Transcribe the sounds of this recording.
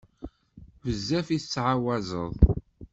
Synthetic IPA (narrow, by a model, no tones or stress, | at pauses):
vəzːæfiθt͡sːʕawæzəðˤ